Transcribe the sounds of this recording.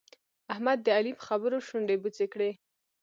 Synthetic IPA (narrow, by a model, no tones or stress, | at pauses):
ahmad̪̚ːəalipə̥xabəɾoʃuɳɖebut͡sekɽe